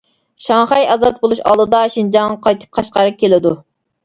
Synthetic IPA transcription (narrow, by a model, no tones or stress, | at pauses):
ʃɑŋχɑjɑzɑt̪̚bolˠuʃɑ̰lˠd̪ɨd̪ɑʃind͡ʒɑŋɑqʰɑjt̪ʰɨ̥p̚qʰɑʃqɑɾɨp̚kʲʰelɪd̪u